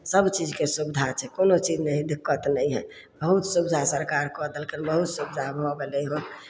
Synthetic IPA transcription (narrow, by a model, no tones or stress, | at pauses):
səbt͡ʃid͡ʒkesubd̪ʱat͡ʃʰɛkonot͡ʃid͡ʒnɛɦĩd̪ɪkːət̪nəjɦɛ | bəɦut̪subd̪ʱasəɾkaɾkɔd̪elkinbəɦut̪subd̪ʱabʱɔɡelɛjɦən